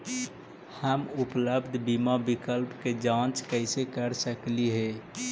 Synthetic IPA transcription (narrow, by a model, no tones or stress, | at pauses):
həmʊpləbd̪ʱbimabɪkəlpked͡ʒãːt͡ʃkəɪsekəɾsəkliɦe